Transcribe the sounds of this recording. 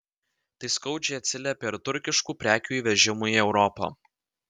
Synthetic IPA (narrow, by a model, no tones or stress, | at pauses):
t̪ɐɪskɐʊd͡ʒʲɛɪɐt̪ʲsʲɪlʲɛpʲeɪɾt̪ʊɾʲkʲɪʃkuːpʲɾʲæːkʲuːiːʋʲɛʒʲɪmuːiɛʊɾɔpɑ̰ː